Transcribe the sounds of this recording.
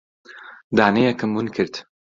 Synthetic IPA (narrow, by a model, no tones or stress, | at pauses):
d̪aːnejɛkɨmwunkʰɨɾt̪